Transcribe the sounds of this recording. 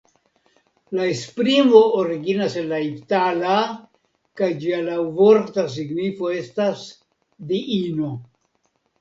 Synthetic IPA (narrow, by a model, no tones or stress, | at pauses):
laespɾimo̞oɾiɡinase̞nlaitala | kajd͡ʒialawvoɾtas̬iɡnifo̞e̞stas | d̪iino̞